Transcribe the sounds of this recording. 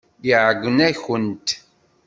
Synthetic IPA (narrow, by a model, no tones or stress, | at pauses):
jiʕəɡʷːənæçənt̪